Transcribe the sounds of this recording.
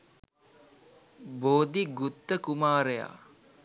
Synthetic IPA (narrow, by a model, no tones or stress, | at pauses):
boːd̪iɡut̪ːəkumaːɾəja̰ː